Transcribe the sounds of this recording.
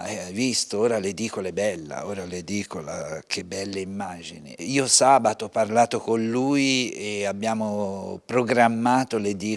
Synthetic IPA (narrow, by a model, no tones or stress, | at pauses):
ɛvist̪ooːɾaled̪iːkolɛbɛlːa̰oːɾaled̪iːkola̰k̟ebːɛlːeimːaːd͡ʒḭnḛiːosaːbat̪oɔpːarlaːt̪okonluːjeabːjaːmopɾoɡɾamːaːt̪oled̪iː